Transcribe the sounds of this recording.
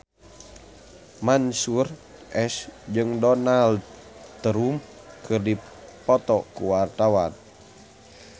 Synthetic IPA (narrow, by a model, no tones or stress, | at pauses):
mansur | ʔɛsd͡ʒɨŋdɔnald | t̪əɾum | kʰɨrdi | pɔt̪ɔkuwart̪awan